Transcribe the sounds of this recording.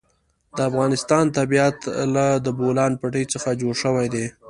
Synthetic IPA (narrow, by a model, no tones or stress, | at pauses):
d̪əafɣɑnɪst̪ɑnt̪abijat̪lad̪əbolɑnpaʈəjt͡səxad͡ʒoɽʃəwajd̪e